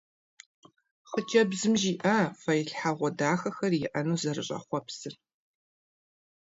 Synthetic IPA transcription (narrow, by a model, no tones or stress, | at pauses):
χət͡ʃʰʼɐbzɨmʒiːʔɐfɐjɪɬħaʁʷɔdaːxɐxɐrjɪʔɐnuːzɐrɨɕʼɐ̰χʷɔpsɨr